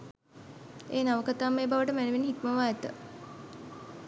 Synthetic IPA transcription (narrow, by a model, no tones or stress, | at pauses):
eːnaʋəkat̪aːmːeːbaʋəʈəmæneʋiniɦikməʋaːɛt̪ə